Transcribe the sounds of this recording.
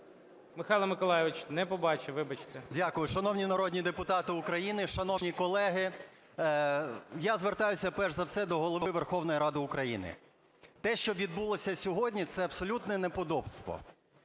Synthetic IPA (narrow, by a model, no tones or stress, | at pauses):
mɪxɑjlˠɐmɪkɔlˠajɪʋɪt͡ʃnɛpɔbɑt͡ʃɪʋɪbɐt͡ʃt̪ɛdʲakʊjʊʃɐnɔwnʲinɐɾɔdʲnʲid̪epʊt̪ɑt̪ɪʊkɾɐjinɪʃɐnɔnʲikɔlˠɛɦɪ | jazʋert̪ɑjʊsʲɐpɛʒzɐwsɛd̪ɔɦɔlˠɔʋɪʋerxɔwnɔjiɾɑd̪ɪʊkɾɐjḭnɪ̰ | t̪ɛʃt͡ʃɔʋʲid̪̚bulˠɔsʲɐsʲɔɦɔdʲnʲit̪sɛɐbsɔlʲut̪nɛnepɔd̪ɔbst̪ʋɔ̰